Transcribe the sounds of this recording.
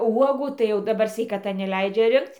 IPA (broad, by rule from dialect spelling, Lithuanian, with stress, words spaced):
ˈuɔɡuː tɐɪ jɛʊ dɐˈbɐr sʲʋʲɛɪkɐˈtɐ nʲɛˈlʲɛɪd͡ʒʲɛ ˈrʲɪŋkt͡s